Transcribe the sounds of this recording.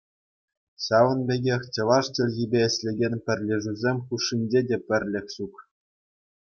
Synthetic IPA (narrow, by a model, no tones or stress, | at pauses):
ɕɑʋɤ̆nbʲeɡʲexʲt͡ɕɤ̆lˠɑʂt͡ɕɘ̆lʲɣibʲeɘ̆ɕʲlʲeɡʲenʲpʲɘ̆rʲlʲɘ̆ʐuzʲemʲxuʂːinʲd͡ʑedʲepʲɘ̆rʲlʲɘ̆xʲɕuk